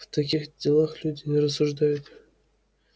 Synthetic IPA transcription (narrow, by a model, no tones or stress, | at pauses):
vt̪akʲixdʲelˠaxlʲudʲɪnʲɾəsːuʐd̪ajut̪